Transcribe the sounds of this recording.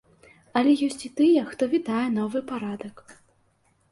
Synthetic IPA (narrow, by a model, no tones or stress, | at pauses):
ɐlʲɛjɔsʲt͡sʲit̪ɨjɛxt̪ɔvʲid̪ajɛn̪ɔvɨpaɾad̪ɐk